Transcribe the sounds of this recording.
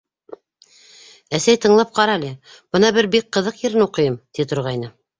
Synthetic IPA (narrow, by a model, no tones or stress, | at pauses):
æsæjt̪ɤ̆ɴlˠɑp̚qɑɾɑlʲæ | b̥ɤnɑbɘɾbik̚qːɤ̆ðɤqjɘ̆ɾɘnuqɤ̆jɤmt̪it̪ŏɾʁɑjnɤ